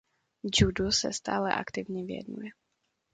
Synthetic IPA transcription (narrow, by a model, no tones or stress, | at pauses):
d͡ʒudusɛ̰st̪aːlɛ̰ʔakt̪ɪvɲɛvɪjɛ̰d̪nṵjɛ